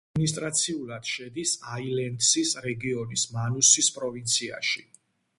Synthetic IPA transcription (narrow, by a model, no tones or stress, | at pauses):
minist̪ʼɾat̪sʰiulˠad̪̥ʃɛd̪isailɛnd̪sisɾɛɡiɔnismanusispʼɾɔvint̪sʰia̰ʃi